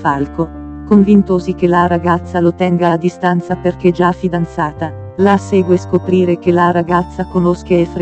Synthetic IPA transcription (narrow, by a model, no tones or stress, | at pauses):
falko | koɱvint̪ozik̟elaɾaɡat̪sːalot̪ɛŋɡaad̪ist̪ant̪saperk̟ed͡ʒafid̪ant̪saːt̪a | laseːɡweskopɾiːɾek̟elaɾaɡat̪sːakonoskaefɾ